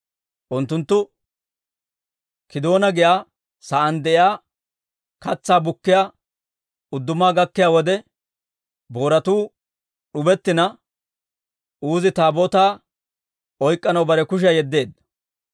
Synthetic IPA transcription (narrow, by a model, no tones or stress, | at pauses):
ʔʊnt̪ːʊnt̪ːʊ | kɪd̪o̞ːnɐɡɪjaː | sɐʔɐnd̪ɛʔɪaː | kɐt͡sːaːbʊkːɪjaː | ʊd̪ːʊmaːɡɐkːɪjaːwɔd̪ɛ | bo̞ːɾɐt̪uː | ɗʊbɛt̪ːɪnɐ | ʔuːzɪt̪aːboːt̪aː | ɔjkʼːɐnɐwbɐɾɛkʊʃ̬jɐjɛd̪ːe̞ːd̪